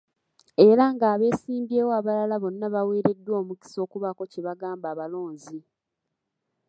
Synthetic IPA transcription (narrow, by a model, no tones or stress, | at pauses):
e̞ɾaŋɡaːβe̞ːsiːmbje̞ːwoaβalalaβo̞nːaβaweːɾe̞dːwo̞ːmuki̥so̞ːkuβako̞ceβaɡaːmbaːβalo̞ːɲzi